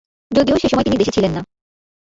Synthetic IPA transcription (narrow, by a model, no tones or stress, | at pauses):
d͡ʑod̪ioʃeʃɔmɔeinid̪eʃet͡ɕʰilenːa